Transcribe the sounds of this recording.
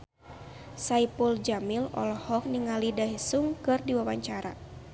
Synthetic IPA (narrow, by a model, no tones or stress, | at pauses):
saipuld͡ʒamilɔ̰lɔhɔk̚niŋalidaɦisuŋkɨrdiwawaɲt͡ʃaɾa̰